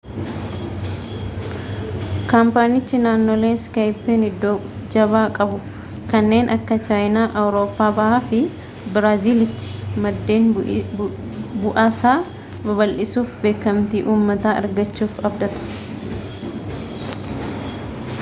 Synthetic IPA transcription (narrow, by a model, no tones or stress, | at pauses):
kampaːnɪt͡ʃːɪnaːnːoːle̞ːnskɐjpːeːnɪd̪ːo | d͡ʒɐβaːkʼɐbʊ | kɐnːe̞ːnʔɐkːɐt͡ʃaːjnaːʔɐwɾo̞ːpːaːbɐhaːfɪ | bɪɾaːziːlɪt̪ːɪ̥mɐd̪ːe̞ːn | bʊʔaːsaː | bɐβɐlʔɪsuːfbe̞ːkːɐmt̪iːʔuːmːɐt̪aːɐ̰ɾɡɐt͡ʃːuːfɐbd̪ɐt̪ɐ̥